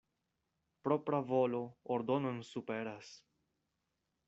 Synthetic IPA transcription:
pɾo̞pɾavo̞lo̞oɾd̪o̞no̞nsupe̞ɾas

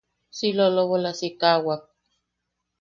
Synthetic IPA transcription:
siloloβolasikawak̚

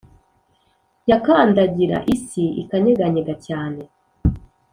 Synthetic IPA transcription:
jakaːndaɟiɾa̰ʔisiḭkaɲeɡaɲeɡacaːne

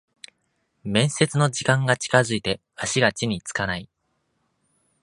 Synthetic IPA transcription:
mẽ̞ɰ̃se̞t͡sɨno̞d͡ʑikãŋɡat͡ɕi̥kazɨit̪e̞ | aɕiɡat͡ɕiɲ̟it͡sɨ̥kanai

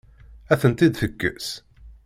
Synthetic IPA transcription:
æθənt̪id̪θəkːə̰s

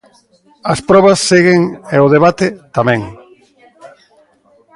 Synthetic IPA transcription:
ɐspɾɔβɐsːeɣeŋeoðeβat̪ɪt̪amɛ̃ŋ

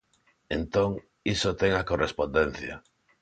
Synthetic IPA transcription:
ent̪oŋ | isot̪eŋakorespond̪en̟θja

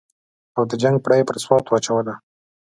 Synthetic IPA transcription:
awd̪əd͡ʒaŋɡ̚pɽajepəɾswɑt̪wat͡ʃawad̪a

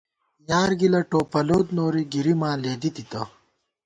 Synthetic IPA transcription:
jaːɾɡilɐʈoːpɐloːd̪noːɾiɡiɾimãːleːd̪it̪it̪ɐ

